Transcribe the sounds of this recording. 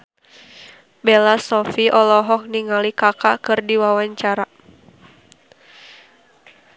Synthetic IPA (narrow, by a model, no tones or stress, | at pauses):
belasɔfiʔɔlɔɦɔk̚niŋalikakakɨrdiwawaɲt͡ʃaɾa